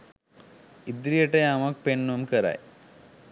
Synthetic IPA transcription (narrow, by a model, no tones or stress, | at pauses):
id̪ɾijeʈːejamɐk̚penːumkɐɾa̰j